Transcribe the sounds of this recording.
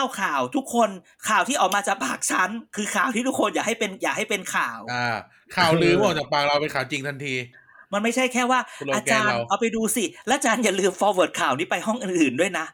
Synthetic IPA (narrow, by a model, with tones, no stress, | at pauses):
tʰa˥˩wkʰaː˨˩wt̪ʰu˦˥kʰːo˧n | kʰaː˨˩wt̪ʰiː˥˩ʔɔː˨˩kmaː˧t͡ɕaː˨˩k̚pʰaː˨˩k̚t͡ɕʰa˦˥nkʰɯː˧kʰaː˨˩wt̪ʰiː˥˩t̪ʰu˦˥kʰo˧njaː˨˩kha˥˩jpe˧njaː˨˩k̚ha˥˩jpe˧nkʰaː˨˩wa˧˩ | kʰaː˨˩˦wlɯː˧mː˥˩˨t͡ɕaː˨˩baː˨˩ŋɾa˧wpe˧nkʰaː˨˩wt͡ɕi˧ŋt̪ʰa˧nt̪ʰiː˧ | ma˧nma˥˩jt͡ɕʰa˥˩jkʰɛː˥˩waː˥˩ʔaː˧t͡ɕaː˧nʔa˧˩wpa˧jduː˧si˨˩lɛː˦˥˧t͡ɕaː˧nja˨˩lɯː˧mfɔː˧wɤː˨˩t̪̚kʰaː˨˩wniː˦˥pa˧jɦɔ˥˩ŋʔɯː˨˩nʔɯː˨˩ndu˥˩əjna˦˥ʔ